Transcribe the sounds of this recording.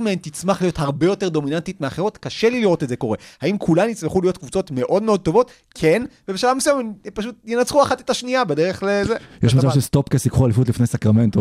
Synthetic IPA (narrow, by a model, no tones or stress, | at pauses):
meent̪it͡smaχlijo̞thaʁbe̞jo̞te̞ʁd̪ominantitmeaχeʁotkaʃeliliʁo̞tetdze̞ko̞ʁe̞haimkʰulanjit͡sleχulijo̞tkvut͡so̞tme̞ʔo̞dmeo̞d̚to̞vo̞t | kʰenvebeʃalavmisujamempaʃ̬ut̚jenat͡sχuaχate̥taʃniabedeʁeχlezejɛʃmat͡savʃelst̪opkesikχualifut̬lifnejsakʁamento